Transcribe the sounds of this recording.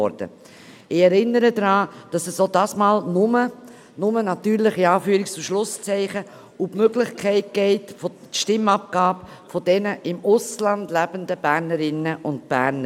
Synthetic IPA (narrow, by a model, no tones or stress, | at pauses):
ɔ̰ɾd̥ə̰ | ɪɛɾɪnːəɾədɾɑːd̥ɑsɛsodɑːsmaːlnʊmə | nʊmənɑtyːɾlɪχiɑːfyːɾɪkst͡suʃlʊst͡sɛɪχə | ubmøɡlɪχkʰɛɪt̚ɡ̥ɛɪtfo | ʃtɪmɑp̚ɡ̥aːb | fɔdɛnəʔɪmʊslɑndlæb̥əndəb̥æɾnəɾɪnːəʔʊnt̚b̥æɾnə